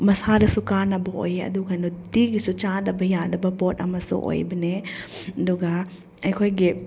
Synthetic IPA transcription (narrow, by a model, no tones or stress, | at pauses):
mɐsaɾɐsukanɐbɐo̰jeɐ̰d̪uɡanutiɡisut͡ʃadɐbɐjadɐbɐpɔtɐ̰mɐsṵʔo̰jbɐned̪uɡa | ɐjkʰojɡi